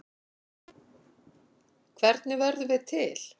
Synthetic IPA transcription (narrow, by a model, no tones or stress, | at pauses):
kʰvɛɾt̪nɪvɛɾðʏvɪðt̪ʰɪl̥